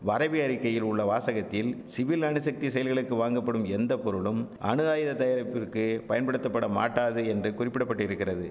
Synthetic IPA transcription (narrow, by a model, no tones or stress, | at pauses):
ʋɐɾɐbɪɐɾɪkːɐjɪlʊɭːɐʋaːsɐɣɐt̪ːɪlsɪʋɪlɐɳɯsɐk̚t̪isɛjɐlɣɐɭɯkːɯʋaːŋɡɐpːɐɽɯmɛnd̪ɐpɔɾɯɭɯmʔɐ̰ɳɯðaːjɐðɐt̪ɐjɐɾɐpːɪrkɯpɐjɐnpɐɽɯt̪ːɐpːɐɽɐma̰ːʈːaːðɯɛndrɯkʊrɪpːɪɽɐpːɐʈːɪɾɯkːɪrɐðɯ